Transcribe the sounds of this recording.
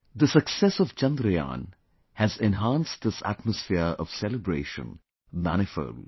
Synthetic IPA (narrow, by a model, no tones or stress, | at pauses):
d̪əsəksɛsɔvt͡ʃʌ̃nd̪ɾəjã̰ːn | hæzɛ̃nɦãːnsʈ̚d̪ɪsæ̰ʈ̚məsfɪəɾɔv̥sɛləbɾeːʃə̰̃n | mæ̰ñɪfə̰ːl